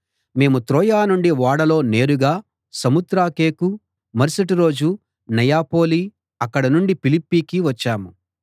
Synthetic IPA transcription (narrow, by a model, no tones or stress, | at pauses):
me̞ːmut̪ɾoːjaːnuɳɖiʋaːɽɐlo̞ːne̞ːɾuɡaː | sɐmud̪ɾaːke̞ːku | mɐɾsɐʈiɾo̞ːd͡ʒu | nɐjaːpo̞ːli | ɐkːɐɽɐnuɳɖipilipːiːkiʋɐt͡ʃːaːmu